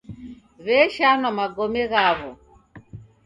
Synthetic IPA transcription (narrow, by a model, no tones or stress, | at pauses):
βɛʃanɔmaɡɔmɛɣaβɔ